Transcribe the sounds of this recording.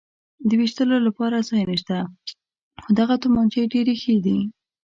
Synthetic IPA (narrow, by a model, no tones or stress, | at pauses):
d̪əwiʃt̪əlolapɑɾazɑjneʃt̪a | xod̪aɣat̪ʊmɑnt͡ʃeɖeɾexed̪i